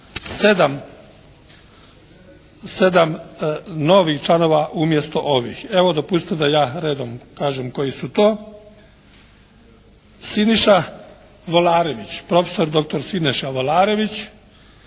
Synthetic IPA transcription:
sed̪am | se̞d̪am | no̞ʋixt͡ʃlano̞ʋaʔumjest̪o̞ʔoʋḭxe̞ʋod̪opust̪ed̪ajaːɾeːd̪omkaːʒemko̞jisut̪oː | siniʃa | ʋolaːɾeʋit͡ɕpɾo̞feso̞ɾd̪o̞k̚t̪o̞ɾsineʃaʋolaːɾe̞ʋit͡ɕ

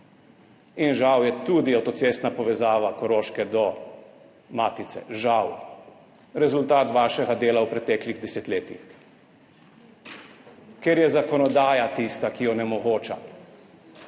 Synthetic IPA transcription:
inʒawjɛt̪ud̪iawt̪ɔt̪seːst̪napɔʋɛzaːʋakɔɾoːʃkɛd̪ɔ | maːt̪it̪sɛ̰ʒaw | ɾɛzult̪aːt̪ʋaːʃɛɡad̪eːlawpɾɛt̪ɛːkliɣd̪ɛsɛt̪leːt̪ḭx | keɾjɛzakɔnɔd̪aːjat̪ist̪akijɔnɛmɔɡoːt͡ʃa̰

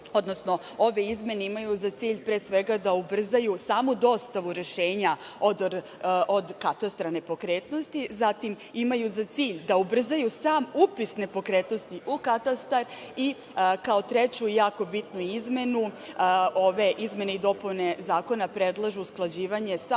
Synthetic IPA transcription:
o̞d̪no̞sno̞ | oʋe̞izme̞ne̞imajuzat̪siːʎpɾeːsʋe̞ɡad̪aubr̩zajusaːmud̪o̞st̪aʋuɾe̞ʃeːɲaod̪ | ʔod̪kat̪ast̪ɾane̞po̞kɾeːt̪no̞st̪izat̪im | imajuzat̪siːʎd̪aubr̩zajusaːmupisne̞po̞kɾe̞ːt̪no̞st̪iʔukat̪ast̪aɾi | kao̞t̪ɾet͡ɕuijaːko̞bit̪nuizme̞nu | o̞ʋe̞ʔizme̞neid̪o̞pujne̞zaːko̞napɾe̞d̪lˠaʒuːsklˠad͡ʑiːʋaɲe̞sa

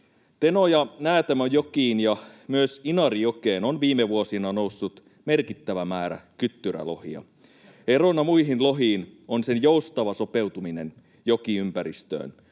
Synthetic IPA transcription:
t̪enojɑnæːt̪æmæjokiːnjɑmyøsinɑɾijokeːnonʋiːmeʋuosinɑnousːut̪ | me̞rkit̪ːæʋæmæːɾæ̰kyt̪ːyræ̰lo̞̰hḭɑ̰ | eronɑmuiɦinlo̞ɦiːnonsenjoust̪ɑʋɑso̞pe̞wt̪uminḛn | jokiympæɾist̪ø̰ːn

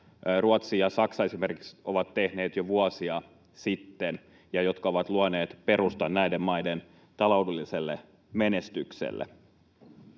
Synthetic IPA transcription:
ruɑt̪siːjɑsɑksɑe̞simerki̥ksʔo̞ʋɑt̪tehne̞ːt̪joʋuɑsiɑ | sit̪ːen | jɑjo̞t̪kɑo̞ʋɑt̪luɑne̞ːt̪pe̞ɾust̪ɑnnæidemmɑiden | t̪ɑlo̞udelːiselːḛ | menest̪yksḛlːḛ

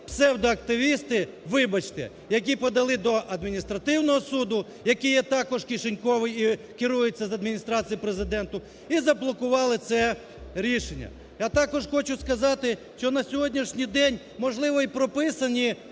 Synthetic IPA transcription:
psɛwd̪ɔɐkt̪ɪʋʲist̪ɪ | ʋɪbɐt͡ʃt̪ɛ̰ | jɐk̬ʲipɔd̪ɐlˠɪd̪ɔʔɐd̪mʲinʲist̪ɾɐt̪ɪwnɔɦɔsud̪ʊ | jɐkijɛt̪ɑkɔʒkʲiʃenʲkɔʋɪji | kɪɾujet͡sʲːɐzɐd̪mʲinʲist̪ɾɑt͡sʲijipɾezɪd̪ɛnt̪ʊ | izɐblˠɔkʊʋɑlˠɪt̪sɛ | ɾʲiʃenʲːɐ̰ | jat̪ɑkɔʒxɔt͡ʃʊskɐzɑt̪ɪʃt͡ʃɔnɐsʲɔɦɔdʲnʲiʃnʲijd̪ɛnʲ | mɔʒlˠɪʋɔipɾɔpɪsɐnʲi

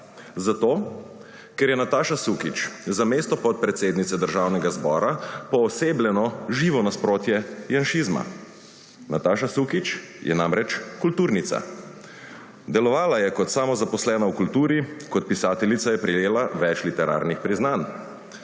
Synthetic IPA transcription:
zat̪oː | kɛɾjɛnat̪aːʃasukit͡ʃzameːst̪ɔpɔt̪̚pɾɛt̪seːd̪nit̪sɛd̪əɾʒawnɛɡazbɔːɾapɔːseːblʲɛnɔʒiːʋɔnaspɾoːt̪jɛjanʃiːzma̰ | nat̪aːʃasukit͡ʃ | jɛ̰naːmɾɛt͡ʃkult̪uːɾnit̪sa̰ | d̪ɛlɔʋaːlajɛkɔt̪samɔzapɔslɛːnaukult̪uːɾikɔt̪̚pisaːt̪ɛlit̪sajɛpɾijeːlaʋɛt͡ʃlit̪ɛɾa̰ːɾnixpɾiznan

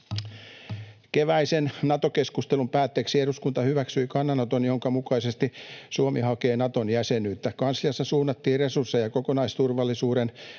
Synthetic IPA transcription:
keʋæisennɑt̪okeskust̪elumpæːt̪ːeːksieɾuskunt̪ɑhyʋæksyikɑnːɑnot̪onjoŋkɑmukɑisest̪isuomihɑke̞ːnɑt̪onjæsenyːt̪ːækɑnslijɑsːɑsuːnːɑt̪ːiːresursejɑkokonɑist̪urʋɑlːisuːɾen

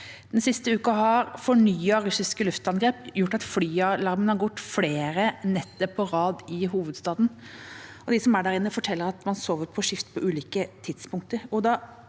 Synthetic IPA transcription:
dd̪̥ɛnsɪst̪əʉːkɑɦɑɾfɔɳyːɑɾʉsɪskəlʉft̪ɑnɡɾeːpjʊʈːɑt̪flyːɑlɑɾmənhɑɾɡʊʈ̪ːfleːɾənɛt̪ːɔpʰːɔɾɑːd̪ɪɦuːʋəd̪st̪ɑːd̪n̩ | ɔd̪ɪsɔmæɖæɾɪnːəfɔʈʰɛlːəɾɑt̪mɑnsoːʋəɾpʰɔʂɪft̪pʰɔʔʉːliːkət̪ʰɪd̪spʰʊŋk̚t̪əɾɔd̪ɑ

